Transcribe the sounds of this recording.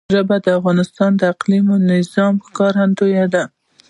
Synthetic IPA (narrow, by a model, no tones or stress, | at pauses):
ɾabad̪əafɣɑnɪst̪ɑnd̪əaqlimonɪzɑməkɑɾhand̪ojad̪a